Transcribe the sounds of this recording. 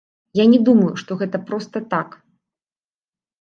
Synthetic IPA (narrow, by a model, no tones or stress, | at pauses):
janʲɛd̪umɐjuʂt̪ɔɣɛt̪ɐpɾɔst̪ɐt̪ak